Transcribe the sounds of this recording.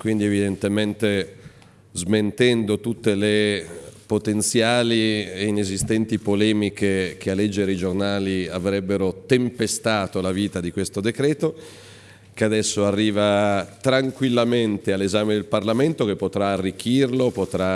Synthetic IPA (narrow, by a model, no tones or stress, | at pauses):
kwind̪ievid̪ent̪emɛnt̪e | zment̪ɛnd̪ot̪ut̪ːelepot̪ent̪sjaːlieinezist̪ɛnt̪ipolɛːmik̟ek̟ealːed͡ʒːeɾed͡ʒornaːliavɾɛbːeɾot̪empest̪aːt̪olaviːt̪ad̪ikwest̪od̪ekɾɛːt̪o | kead̪ɛsːoarːiːvat̪ɾaŋkwilːament̪ealːezaːmed̪elparlament̪ok̟epːot̪ɾaːrːik̟ːirlopot̪ɾa